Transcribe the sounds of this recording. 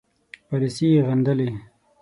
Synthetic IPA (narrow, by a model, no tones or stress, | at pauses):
palisijeɣand̪əle